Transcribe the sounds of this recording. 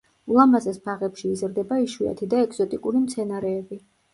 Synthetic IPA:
ulˠamazɛspʰaʁɛpʃiːzɾd̪ɛbaiʃuɛ̰t̪ʰid̪aɛkʼz̥ɔt̪ʼikʼuɾimt̪sʰɛnaɾɛːbi

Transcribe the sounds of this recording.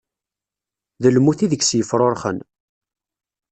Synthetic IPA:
ðəlmuθiðəçsjəfɾˤoɾˤχə̰n

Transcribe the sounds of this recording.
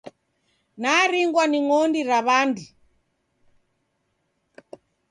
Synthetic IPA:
naɾiŋɡwaniŋɔndiɾaβandu

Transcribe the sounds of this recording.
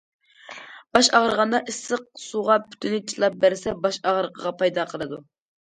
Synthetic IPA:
b̥ɑʃɑʁəɾəʁɑnd̪ɑʔisəq̚suʁɑpʰy̥t̪ʰynɪt͡ʃʰilˠɑp̚bæɾɪsɛbɑʃɑʁəɾəqʰəʁɑpʰɑjd̪ɑqʰəlˠɨd̪u

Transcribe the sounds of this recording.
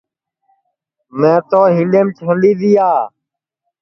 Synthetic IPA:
mɛ̃ːt̪oːɦĩːɖeːmt͡ʃʰənɗiːd̪iːaː

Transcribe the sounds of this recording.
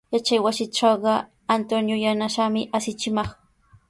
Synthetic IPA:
jat͡ʃajwasɪʈ͡ʂɑwɢɑ | ant̪onjojanaʃamɪʔasɪt͡ʃɪmɑχ

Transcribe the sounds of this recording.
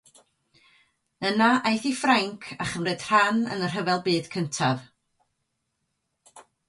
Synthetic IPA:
ənaʔajθifraŋkʰaχəmrɨd̥r̥anə̰nər̥ɦəvɛlˠbɨːd̥kʰəntʰav

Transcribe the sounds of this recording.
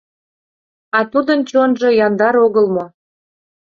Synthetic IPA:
ɑt̪ud̪ənt͡ɕonʒɤ̆jɑnd̪ɑɾoɣəlmo

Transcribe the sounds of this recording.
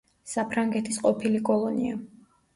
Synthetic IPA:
sapʰɾaŋɡɛt̪ʰisqʼɔpʰilikʼɔlˠɔnia

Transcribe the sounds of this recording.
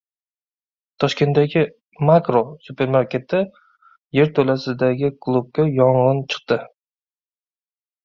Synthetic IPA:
t̪ʰɒʃkʲe̞nt̪ːaɡʲɪ | makɾosupe̞ɾmaɾkʲe̞t̪ʰɪ | je̞ɾt̪ʰɵlasɪd̪aɡʲɪkʰlˠub̚kʲajɒɴʁɨnt͡ʃʰɨ̥q̚t̪ɪ

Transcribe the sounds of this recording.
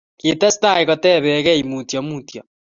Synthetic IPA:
ketasi̥taiɣotɛβɛɣɛimutjamutja

